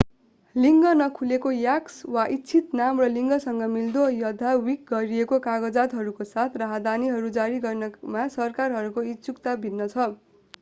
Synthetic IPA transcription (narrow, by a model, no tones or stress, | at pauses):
liŋɡʌnʌkʰulekojakswaʔitːt͡sʰit̪namrʌliŋɡʌsʌŋɡʌmild̪ojʌd̪ʱːawik̚ɡʌɾiekokaɡʌd͡zat̪ɦʌɾukosat̪ʰraɦʌd̪aniɦʌɾud͡zaɾiɡʌrnʌmasʌrkarɦʌɾukoit̪sukt̪abʱinːʌt͡sʰʌ